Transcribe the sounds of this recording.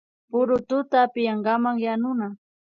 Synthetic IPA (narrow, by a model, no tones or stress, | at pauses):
pʊɾʊt̪ʊt̪apɪjɑɴɢɑmaŋjanʊna